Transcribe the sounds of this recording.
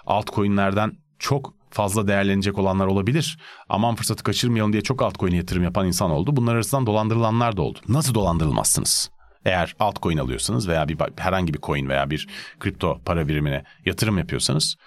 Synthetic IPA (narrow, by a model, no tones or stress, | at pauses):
a̰lˠt̪kʰo̞junlʲˠæɾd̪æn | t͡ʃʰo̞k | fazlˠad̪e̞jæɾlʲened͡ʒɛko̞lˠanlˠaɾo̞lˠabilʲiɾ̥a̰mamfɯɾsat̪ʰɯ̥kʰat͡ʃʰɯɾmajalˠɯnd̪jɛt͡ʃʰo̞kalt̪kʰo̞junajat̪ʰɯɾɯmjapʰaninsano̞lˠd̪ubunlˠaɾaɾasɯnd̪and̪o̞lˠand̪ɯɾɯlˠanlˠaɾd̪ao̞̰lˠd̪u̥nasɯd̪o̞lˠand̪ɯɾɯlˠma̰sːɯ̰nɯz̥ | e̞jæɾ̥alˠt̪kʰo̞juna̰lˠɯ̰jo̞̰sanɯzve̞jaːbiba̰hæɾhaɲɟibikʰo̞junveja̰ːbiɾkʰɾip̚t̪ʰo̞pʰaɾaviɾiminɛ̰jat̪ʰɯɾɯmjapʰɯjo̞̰sanɯz̥